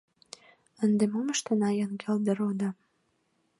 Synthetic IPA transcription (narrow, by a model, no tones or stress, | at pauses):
ənd̪emoməʃt̪ənɑjənkʰeld̪ə̆ɾod̪ɑ